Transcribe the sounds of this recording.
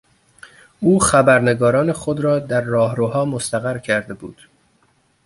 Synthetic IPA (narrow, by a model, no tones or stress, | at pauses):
ʔuːxæbæɾne̞ɡɒːɾɒːnexod̪ɾɒːd̪æɾːɒːɦɾoːhɒːmost̪æɣæɾcʰæɾd̪e̞buːd̪̥